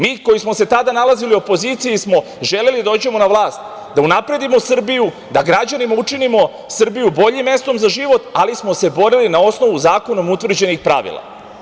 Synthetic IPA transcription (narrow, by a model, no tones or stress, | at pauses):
miːko̞jismose̞t̪ad̪analaziliopo̞ziːt̪sijismo̞ | ʒe̞lelid̪aoːd͡ʑe̞mo̞naʋlˠaːst̪ | d̪aunapɾe̞d̪imo̞sr̩biju | d̪aɡɾad͡ʑanimaut͡ʃinimo̞ | sr̩bijubo̞ʎimːe̞st̪o̞mzaʒiʋo̞t̪alismo̞se̞bo̞ɾilinao̞sno̞ʋuzaːko̞no̞mut̪ʋr̩d͡ʑe̞nixpɾa̰ʋḭlˠa̰